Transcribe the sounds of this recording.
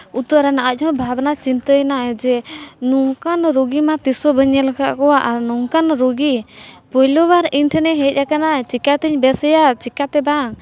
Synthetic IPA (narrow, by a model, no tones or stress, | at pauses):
ut̪əɾɛnaʔəc̚ˀɦɔ̃bʱabnat͡ʃint̪əjnad͡ʒɛnuŋkanɾoɡimat̪isɔbəɲɛlakaʔkɔwaʔaɾnɔŋkanɾoɡipɔjlɔwaɾinʈʰɛnɛɦɛc̚ʔakanat͡ʃikat̪ɛɲbɛsɛjat͡ʃikat̪ɛbaŋ